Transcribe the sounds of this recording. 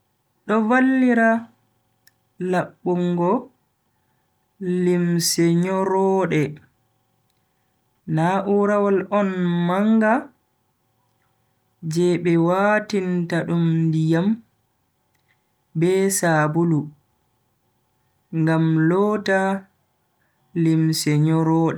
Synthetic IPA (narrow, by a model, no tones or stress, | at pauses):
ɗɔvalːiɾa | laɓːuŋɡɔ | limsɛɲɔɾɔːɗɛ | naʔuɾawalɔnmaŋɡa | d͡ʒɛɓɛwatintaɗumndijam | bɛːsaːbulu | ŋɡamlɔːta | limsɛɲɔɾɔːɗɛ